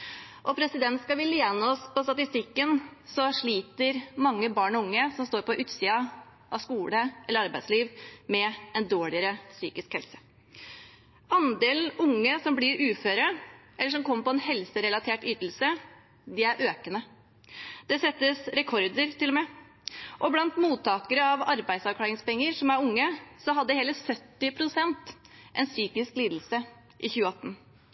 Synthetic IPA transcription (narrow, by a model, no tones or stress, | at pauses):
ʔɔpʰɾɛsɪd̪ɛnt̪skɑʋɪlɪɛnːəɔspɔst̪ɑt̪ɪst̪ɪkːənsɔʂɭiːt̪əɾmɑŋːəbɑːɳɔʊŋːəsɔmst̪oːɾpɔʔʉːt̪siːɑ | ʔɑskuːləɛlːəɾɑɾbæɪd̪sliːʋmɛɛnd̪oːɭɪəɾəsy̰ːkɪskhɛlsə̥ | ɑnd̪eːln̩ʊŋːəsɔmbliːɾʉːføːɾəʔɛlːəʂɔmkʰɔmːəpɔɛnhɛlsəɾɛlɑt̪ʰeːʈyːt̪l̩sə | d̪ɛæɾʔøːkənə | d̪̥ɛsɛt̪ːəsɾɛkʰɔɾd̪əɾt̪ʰɪlɔmɛ | ʔɔblɑnt̪muːt̪ʰːɑːkəɾəɑʋɑɾbæɪd̪sɑʋkʰɽɑːɾɪŋspɛŋːəɾʂɔmæɾʊŋːəsɔɦɑd̪ːəheːləsœt̪ːɪpʰɾʊsɛnt̪ | ʔɛnsyːkɪskliːd̪l̩sə | ʔɪçʉːəɑt̪ːn̩